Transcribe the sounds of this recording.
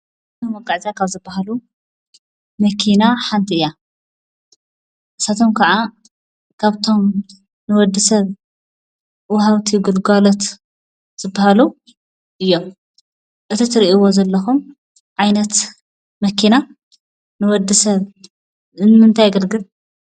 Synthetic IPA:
omɐkʼːaʕzijakʰaβzɨbːahalu | mɐkʰinaħant̪ʰiɨjːa | ʔɨsat̪ʰo̞mkʰɐʕa | kʰaβt̪ʰo̞m | nɨwɔd̪ːɨsɐβ | wɦawt̪ʰiɡɨlɡalot̪ | z̥ɨbːahalu | ʔɨjːom | ʔɨt̪ʰit̪ʰɨɾiʔiwo̞zɐlːɐxum | ʕajnɐt̪ | mɐkʰina | nɨwɔd̪ːɨsɐβ | ɨnmɨnt̪ʰajɡɐlɡɨl

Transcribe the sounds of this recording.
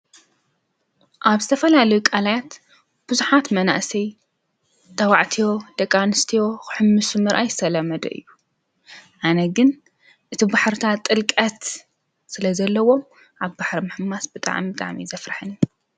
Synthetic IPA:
ʔaβzɨt̪ʰɐfɐlalɐjukʼalajat̪ | b̥ɨzuħat̪mɐna̰ʔsɐj | t̪ʼɐwaʕt̪ʰijo̞d̪̥ɐkʼanɨst̪ʰijo̞xɨ̥ħɨmːɨsumɨɾʔajɪsɐlɐmɐd̪ɐ̰ʔɨ̰jːu | ʕanɐɡɨn | ʔɨt̪ʰibaħɾɨt̪ʰat̪ʼːɨlkʼɐt̪ | sɨlɐzɐlːɐwo̞m | ʔaβbaħɾimɨħɨmasbɨt̪ʼa̰ʕmit̪ʼa̰ʕmḭzɐfɾaħɨnju

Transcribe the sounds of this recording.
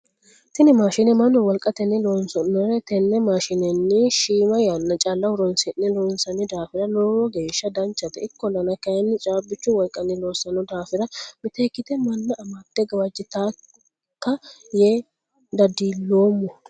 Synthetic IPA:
t̪ɪnɪmaːʃɪnɛmɐnːɔwɔlkʼːɐt̪ɛnːɪloːnsɔnːɔɾɛt̪ɛnːɛmaːʃɪnɛnːɪʃiːmɐjɐnːɐt͡ʃʼalːɐwʊɾɔnsɪnːɛloːnsɐnɪd̪aːfɪɾɐloːɾɔɡe̞ːʃːɐd̪ɐnt͡ʃːɐt̪ɛɪkːɔnɐnɐkɐjɛnːɪt͡ʃʼaːbɪt͡ʃːʊwɔlkʼːɐnːɪloːsɐnɔd̪aːfɪɾɐmɪt̪eːkːɪt̪ɛmɐnːɐʔɐmɐt̪ːɛɡɐwɐd͡ʒːɪt̪aː | kːɐjeː | d̪ɐd̪iːlːoːmːɔ

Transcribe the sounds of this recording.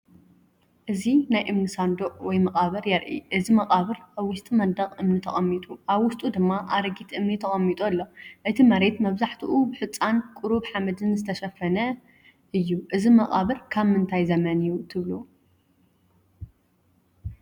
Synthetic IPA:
ʔɨzinajʔɨmnisand̪oʔʼwɔjmɐqʼaβɐɾjɛɾʔḭʔɨzimɐqʼaβɨɾʔaβwʊst̪ʼimɐnd̪ɐqʼɨmnit̪ʰɐχʼɐmːit̪ʼuʔaβwʊst̪ʼud̪ɨmːaʔaɾɐɡit̪ʔɨmnit̪ʰɐχʼɐmːit̪ʼulːoʔɨt̪ʰimɐɾe̞t̪mɐβzaħt̪ʰuʔubɨħɨt͡sʼːankʼʊɾuβħamɐd̪ɨnzɨt̪ʰɐʃɐfɐnɐ | ʔɨjːuʔɨzimɐχʼa̰βɨɾkʰaβmɨnt̪ʰajzɐmɐnɨjut̪ʰɨβlu

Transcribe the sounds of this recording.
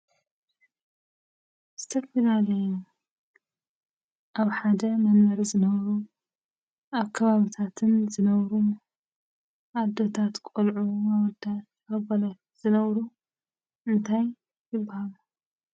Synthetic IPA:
z̥ɨt̪ʰɐfilalːɐju | ʔaβħad̪ɐmɐnmɐɾizɨnɐβɐɾu | ʔaβkʰɐβaβit̪ʰat̪ʰɨnzɨnɐβɾu | ʔad̪ːo̞t̪ʰat̪kʼolʕumawɔd̪a | aβbɐla | z̥ɨnɐβɾu | ʔɨnt̪ʰaj | jɪbːahalu

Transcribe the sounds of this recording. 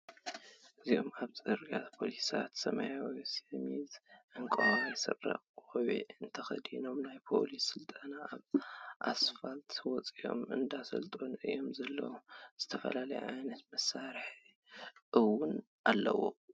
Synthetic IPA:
ʔɨziomaβt͡sʼɨɾɡat̪pʰo̞lisat̪sɐmajawsemizʔɨŋkʼɐwawisɨrːa̰χʼoβḛɨnt̪ʰɐxɐd̪ino̞mnajpʰo̞̰lisːɨlt̪ʼɐnaːβʔasfalt̪wɔt͡sʼio̞̰mɨ̰nd̪asɐ̰lt̪ʼonɨjːo̞mzɐlːɐwuz̥ɨt̪ʰɐfɐlalɐjuʕajnɐt̪mɐsːaɾħi | ʔɨwʊn | ʔalːɐ̰wo

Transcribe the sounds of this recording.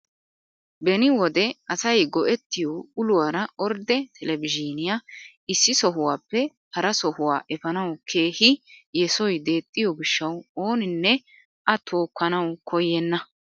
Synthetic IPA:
bɛnɪwɔd̪ɛɐsɐjɡɔʔɛt̪ːɪjɔʊlʊwaːɾɐɔɾd̪ɛt̪ʰɛlɛvɪd͡ʒiːnɪja | ɪsːɪsɔɦʊwaːpːɛ | hɐɾɐsɔhʊwa̰ːʔɛfɐnɐwkʰe̞ːhɪjɛsɔjd̪e̞ːt̪ʼːɪjɔɡɪʃːɐwo̞ːnɪnːɛ | ʔɐt̪ʰoːkːɐnɐwkʰɔjːɛnːɐ

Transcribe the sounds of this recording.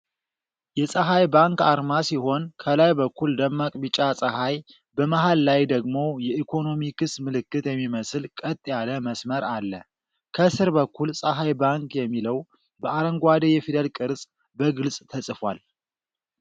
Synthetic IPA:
jɛsʼəɦajbaŋkaɾmasiɦo̞nkʰəlajbəkʰːuld̪əmːakʼbɨt͡ʃʼasʼəhaj | bəmaɦalːajd̪əɡmo̞jɛʔikʰo̞no̞mikʰɨsmɨlɨkːɨt̪jɛmːiməsɨlkʼət̪ʼːjaləməsməɾalːə | kʰəsɨɾbəkʰːulsʼəɦajbaŋkjɛmːiləw | bəaɾəŋɡʷad̪əjɛfid̪əlkʼɨɾsʼ | bəɡɨlsʼt̪ʰəsʼɨfwa̰l

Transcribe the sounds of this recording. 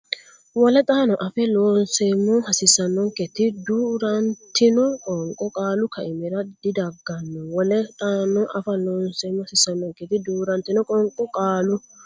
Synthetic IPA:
wɔlɛt̪ʼaːnɔʔɐfɛloːnsejmːɔhɐsɪsːɐnːɔŋkɛt̪ɪd̪uːɾɐnt̪ːɪnɔkʼɔŋkʼːɔkʼaːlʊkɐɪmɛɾɐd̪ɪd̪ɐɡːɐnːɔwɔlɛt̪ʼaːnɔʔɐfɐloːnseːmːɔhɐsɪsːɐnːɔŋkɛt̪ɪd̪uːɾɐnt̪ɪnɔkʼɔŋkʼɔkʼaːlʊ

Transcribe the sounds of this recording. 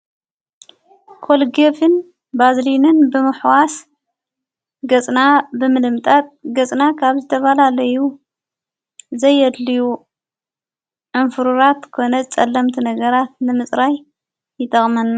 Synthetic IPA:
kʰo̞lɡefɨn | bazlinɨnbɨmɨħwas | ɡɐt͡sʼnabɨmɨlɨmt̪ʼat̪̚ʼɡɐt͡sʼnakʰaβzɨt̪ʰɐβalalɐju | zɐjːɛd̪liju | ʕɨnfɨɾuɾat̪kʰo̞nɐt͡sʼɐlːɐmt̪ʰinɐɡɐɾat̪̚nɨmɨsʼɾaj | jɨt̪ʰʼɐχʼmɐnːa

